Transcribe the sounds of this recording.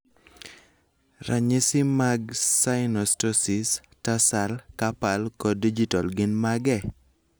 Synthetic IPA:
rʔaɲɪsɪmaɡsaɪnɔstɔsɪs | tasalkapalkɔdid͡ʒitalɡɪnmaɡɛ

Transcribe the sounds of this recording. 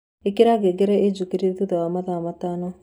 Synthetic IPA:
ekeɾaɣeɡeɾɛed͡ʒukeɾeðuðawamaðamataːnɔ

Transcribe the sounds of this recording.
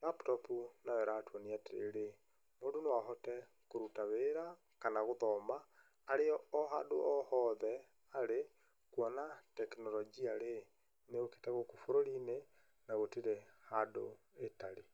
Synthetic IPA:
laptɔpunawɛɾaːtwɔniateḛɾe | modonwaɦɔtɛ | koɾutaβeɾa | kanaɣoðɔmaː | ɾeɔːɦado̰ɔhɔðɛ | aɾe | kwɔnatɛkinɔlɔd͡ʒiale | neɣoke̥taɣokufoɾoɾine | naɣotiɾɛhado̰ | etali

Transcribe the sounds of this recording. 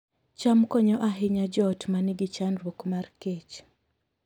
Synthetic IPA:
t͡ʃamkɔɲɔʔaɦɪɲad͡ʒɔtmaniɡɪt͡ʃanɾwokmarket͡ʃ

